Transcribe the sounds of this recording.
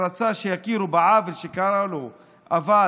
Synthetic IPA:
ɾat͡saʃejakiɾubaʕavelʃekaɾalo | ava

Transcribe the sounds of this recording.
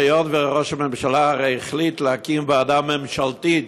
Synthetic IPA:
jonveʁoʃamɛmʃalaaʁejiχlit̪lehakimbead̪amːɛmʃalt̪i

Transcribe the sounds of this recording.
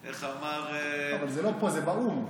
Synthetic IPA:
eχamaʁavalzelo̞pozebaum

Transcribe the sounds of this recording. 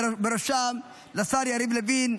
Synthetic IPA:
beɾoʃam | lasaɾjaɾimlevin

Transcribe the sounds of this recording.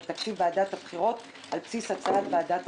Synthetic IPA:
t̪akʃivbead̪at̪habχiʁo̞t | ʔalpsisat͡saat̪vead̪at̪

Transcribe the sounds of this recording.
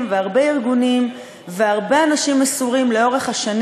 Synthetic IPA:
mveaʁbe̞iʁɡunim | veaʁbe̞anaʃimasuʁimle̞o̞ʁe̞χhaʃan

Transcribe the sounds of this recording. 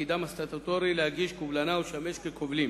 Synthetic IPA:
id̪amast̪at̪ot̪oɾilehaɡiʃkuvlanauʃameʃkekʰovlim

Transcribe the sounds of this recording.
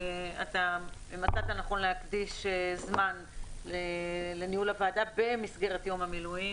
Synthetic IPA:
ataimat̪aat̪anaχo̞nleakdiʃezman | lelenihulavaːdabe̞misɡe̞ʁet̪jo̞mhamiluji

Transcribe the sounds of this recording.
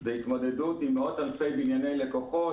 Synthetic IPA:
zeit̪mo̞d̪e̞dut̪imod̪alfe̞jbinjane̞jle̞ko̞χo

